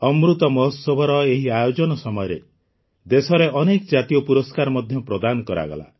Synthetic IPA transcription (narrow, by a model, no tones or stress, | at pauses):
ɔmɾut̪ɔmɔɦɔsɔbʱɔɾɔeɦiajod͡ʒɔnɔsɔmɔjɔɾe | d̪esɔɾeɔnekɔd͡ʒat̪ijɔpuɾɔskaɾɔmɔd̪ʱjɔpɾɔd̪anɔkɔɾa̰ɡɔ̰la̰